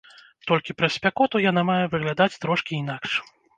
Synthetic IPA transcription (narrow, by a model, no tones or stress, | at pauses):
t̪ɔlʲkʲipɾɐsʲpʲakɔt̪ujanamajɛvɨɣlʲad̪at͡sʲt̪ɾɔʂkʲiːn̪akʂ